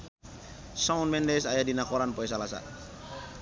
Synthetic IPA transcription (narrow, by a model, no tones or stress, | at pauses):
sɔnmɛndɛsajadinakɔɾanpɔɛs̬alasa̰